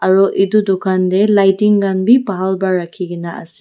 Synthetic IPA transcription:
aɾɔʔidudokʰandelajtiŋɡanbipaɦalbaɾakʰiɡinaɐ̰si̥

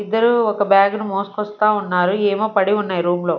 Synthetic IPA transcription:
id̪ːɐɾuɔkɐbjaːɡnumoːskɔst̪aːunːaːɾueːmoːpɐɽiunːaːjiɾuːmlo̞ː

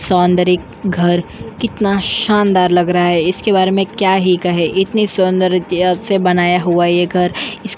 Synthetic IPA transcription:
sɔːnd̪əɾɪk̚ | ɡʱɐɾkɪt̪naʃaːnd̪aːɾlɐɡɾɐɦaɦɛɪskebaːɾemẽkjaːɦikɐɦeʔɪt̪nisʊ̃nd̪əɾsebɐnaːjaɦuajeɡʱɐɾɪs

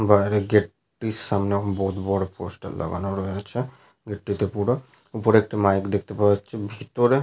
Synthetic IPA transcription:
baɾeɡeʈ | ʈːiʃamnebɔɦut̪bɔɽopo̰sʈa̰lːɔ̰ɡa̰noɾɔeat͡ɕʰe | ɡeʈːit̪epuɽo | upoɾek̚ʈimajkd̪ek̚ʰt̪epaweaːʃʰebʱit̪oɾe

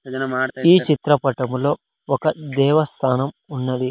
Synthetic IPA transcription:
iːt͡ʃit̪ɾɐpɐʈɐmlo̞ː | ɔkɐd̪ɛːʋɐst̪ʰaːnɐmunːɐd̪i

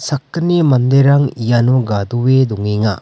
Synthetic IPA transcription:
sakːɯnemand̪eɾaŋijanuɡad̪uwed̪uŋeŋa

